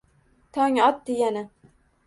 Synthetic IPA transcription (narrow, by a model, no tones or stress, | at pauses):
t̪ʰɒŋɒt̪̚d̪eɡʲanɪ